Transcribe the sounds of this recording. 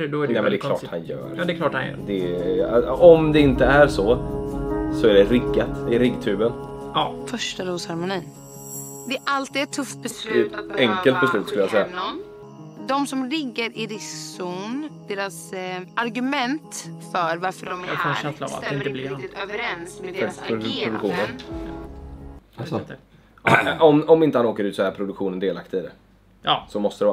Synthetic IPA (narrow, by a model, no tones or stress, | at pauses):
d̪ɔnɛmɛnd̪ɛk̪ʰɑ̰ːha̰njœ̰ːɾd̪ɛklɑːʈhanjœ̰ːɾd̪ɛ | ɔmd̪ɛɪnt̪əæɾʂɔ | sɔæɖɛɾɪɡːat̪ɪɛɾɪɡt̪ʰʉ̟ːbənːfœʂʈaɾoːshaɾmʊniː | d̪ɛʔalt̪ːiɛt̪ʰːɵft̪̚bɛslʉːt̪ɛŋkəlt̪̚bɛslʉ̟ːt̪skɵləjasɛjːa | d̪ɔmsɔmlɪɡːəɾɪɾɪsund̪̥eːɾasʔaɾɡɵmɛnt̪fœɾvaɾfəɖɔmkʰanɛnslava̰ɪnt̪əbliøvəɾɛnsmɛpʰɾʊd̪ɵkɧuːnəɾ | ɔmɔmɪnt̪əhanoːkəɾʉːt̪sɔɛːɾpʰɾʊd̪ɵkɧuːnənd̪eːlakt̪ɪd̪ɛ | sɔmɔst̪əɾɛ